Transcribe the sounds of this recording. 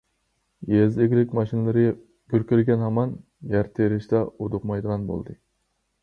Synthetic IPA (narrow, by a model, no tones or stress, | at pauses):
jezeɡʲlɪkʲmɑʃinɨlˠɨɾɪ | ɡ̥ʲøɾkʲyɾɡʲɛnhɑmɑn | jæɾt̪ʰeɾɪʃt̪ɛod̪ʊqmɑjd̪əʁɑnbo̰lˠd̪ɨ